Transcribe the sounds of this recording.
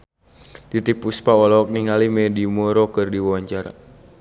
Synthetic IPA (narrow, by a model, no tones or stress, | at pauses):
d̥it̪ipuspaɔlɔɔk̚niŋalimɛdimɔɾɔkɨrdiwawaɲt͡ʃaɾa̰